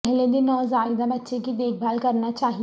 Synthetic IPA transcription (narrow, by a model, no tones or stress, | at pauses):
ɦled̪inəzaid̪abət̪ːɕʰekiːd̪ek̚bʱalkəɾɳjat͡ɕaɦi